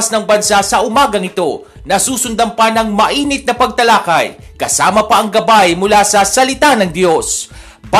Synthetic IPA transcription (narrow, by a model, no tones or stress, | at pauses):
snɐŋbɐnsasɐʔʊmaːɡɐŋɪt̪o̞ | nɐsuːsʊnd̪ɐmpɐnɐŋmɐʔiːnɪt̪̚nɐpɐɡ̚t̪ɐlaːkɐjkɐsaːmɐpɐʔɐŋɡɐbajmʊlasɐsɐlɪt̪anɐŋd̪jo̞s | pɐ